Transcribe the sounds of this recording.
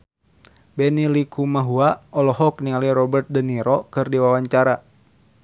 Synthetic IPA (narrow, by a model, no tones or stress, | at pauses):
bɛnilikʰumaɦuaɔlɔɦɔknialiɾɔbərt̪̚dəniɾɔkɨrdiwawaɲt͡ʃaɾa